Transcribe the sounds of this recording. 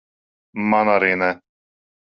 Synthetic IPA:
manaɾinɛ

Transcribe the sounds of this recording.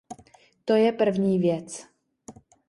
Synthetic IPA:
t̪ojɛpr̩vɲiːvjɛt͡s

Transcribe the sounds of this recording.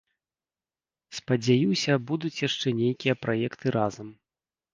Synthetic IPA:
spɐd͡zʲajiwsʲɐbud̪ut͡sʲjaʂt͡ʂɛnʲejkʲijɐpɾajɛkt̪ɨɾʔazɐm

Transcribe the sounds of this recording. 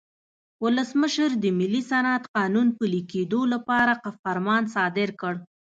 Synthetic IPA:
wʊləsməʃəɾd̪əmɪlːisanat̪qɑnunpəliked̪olapɑɾaqafaɾmɑnsɑd̪ɪɾkəɽ

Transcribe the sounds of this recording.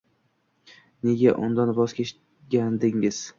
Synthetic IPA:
ne̞ɡʲaʔʊ̰nd̪anbɒz̥kʲʰeʃ | ɡʲand̪ɪŋɪz̥

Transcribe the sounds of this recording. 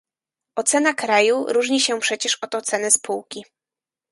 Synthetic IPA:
ɔt̪sɛnakɾajuɾuʐɲiɕɛpʂɛt͡ɕɛʂɔt̪ɔt̪sɛnɛspuwkʲi

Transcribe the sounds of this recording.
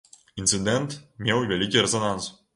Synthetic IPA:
int̪sɨd̪ʲɛnt̪mʲewvʲɛlʲikʲiɾʲɛzonans

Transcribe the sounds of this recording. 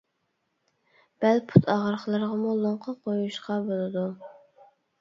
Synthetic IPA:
b̥ælpʰut̪ʰɑʁəɾχlˠəɾʁɑmulˠoɴqʰɑqʰojuʃqɑbolˠɨd̪u

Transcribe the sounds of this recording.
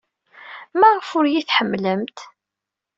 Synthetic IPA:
mæʁəfʊɾjiθħəmːləmt̪

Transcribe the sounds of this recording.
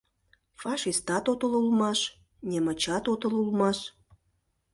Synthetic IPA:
fɑʃist̪ɑt̪ot̪əlulmɑʃ | nʲemə̆t͡ɕɑt̪ot̪ə̆lulmɑʃ

